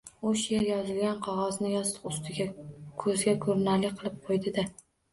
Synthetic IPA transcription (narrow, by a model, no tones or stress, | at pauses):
ʊʃjeɾjɒzɪlɡʲanqʰɒʁɒznɪjɒst̪ʊst̪ʰɪɡʲakʰɵzɡʲakʰɵɾnalɪqʰɨlˠɪp̚qʰojd̪ɪd̪ɪ